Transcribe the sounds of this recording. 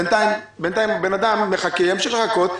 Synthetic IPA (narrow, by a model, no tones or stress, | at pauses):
ent̪aim | bent̪ajimbenad̪amːeχakejameʃiχleχakot̪